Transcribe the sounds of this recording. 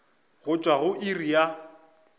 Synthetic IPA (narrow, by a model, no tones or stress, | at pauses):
ɣʊt͡ʃʼwaɣʊʔirija